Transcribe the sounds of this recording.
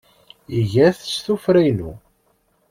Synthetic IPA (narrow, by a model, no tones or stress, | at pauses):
iʝæθsθufɾæjnṵ